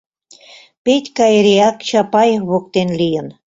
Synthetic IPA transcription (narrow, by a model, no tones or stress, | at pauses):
petʲkɑjɾeɑkt͡ɕɑpɑjβok̚t̪enlijən